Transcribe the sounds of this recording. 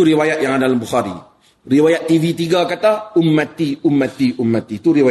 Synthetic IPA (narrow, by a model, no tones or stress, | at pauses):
uɾiwajat̪̚jaŋadalambuxaɾḭ | riwajat̪ːivit̪iɡakat̪aʊmːat̪iumːat̪iʔumːat̪it̪uɾiwa